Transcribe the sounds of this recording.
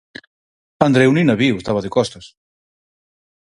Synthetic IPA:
and̪ɾewninaβiwest̪aβaðekɔst̪as

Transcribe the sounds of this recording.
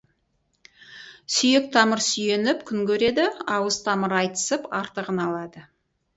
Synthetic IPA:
sʏjek̚t̪ʰɑməɾsʏje̞nɪpkʲʰʏŋkʲʰɵɾe̞d̪ɪɑwəzt̪ʰɑməɾɑjt̪ə̥səpɑɾt̪əʁənɑlˠɑd̪ə

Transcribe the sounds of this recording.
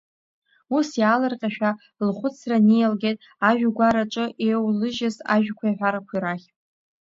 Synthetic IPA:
usjaːlɨrqʲʼaʃᶣa | lχʷʊt͡sʰranijalɡʲejtʼ | aʒᶣɡʷaɾaʈ͡ʂʼɨʔewlɨʒɪza̰ʒᶣkʷʰajħʷᶣaɾakʷʰiɾaχʲʼ

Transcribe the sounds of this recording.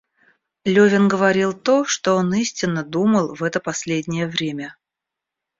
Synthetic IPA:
lʲɵvʲɪnɡəvɐɾʲilˠt̪o̞ʂt̪oonisʲtʲɪnːəd̪uməlˠvɛt̪əpɐsʲlʲedʲnʲɪjəvɾʲemʲə

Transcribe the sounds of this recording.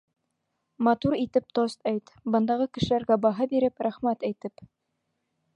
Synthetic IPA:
mɑt̪uɾit̪ɘp̚t̪ost̪æjt̪bɤ̆nd̪ɑʁɤkɘ̆ʃɘ̆læɾɡæbɑɦɤbiɾɘpɾæχmæt̪æjt̪ɘp

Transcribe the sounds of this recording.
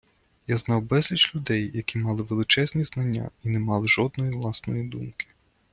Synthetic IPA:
jaznɑwbɛzʲlʲit͡ʃlʲʊd̪ɛjjɐkʲimɑlˠɪʋelˠɪt͡ʃɛznʲiznɐnʲːa̰inɛmɑlˠɪʒɔd̪̚nɔjiʋlˠɑsnɔjid̪umkɪ̥

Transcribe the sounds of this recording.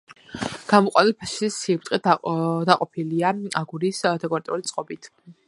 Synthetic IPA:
ɡ̥amɔqʼwa̰nilpʰaʃisiɾ̚t̪ʼɛd̪aqʼɔpʰiliaaɡuɾisd̪ɛkʼɔaɾt̪ʼɛulit̪sʼqʼɔbit̪ʰ

